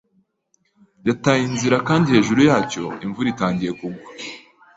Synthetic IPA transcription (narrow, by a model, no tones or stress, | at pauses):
jatajinziɾakaːndihe̞ːʒuɾujaːco̞iɱvuɾitaːɲɟije̞kuɡwḁ